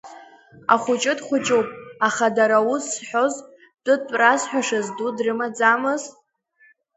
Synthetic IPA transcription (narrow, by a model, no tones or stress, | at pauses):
a̰χʷʊt͡ʃʼɪdχʷʊt͡ʃʼɨwpʼaχadaɾausːħʷᶣo̞z | d̥ɨdpʷʼrazħʷᶣaʂazdudrɨmad͡zamɨz